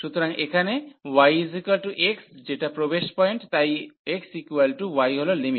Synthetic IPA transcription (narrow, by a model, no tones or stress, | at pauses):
ʃut̪oɾaŋekʰanewajzʱikalʈuʔeksd͡ʒeʈapɾobeʃpɔjɳʈt̪ajeksikualʈuwajɦololimi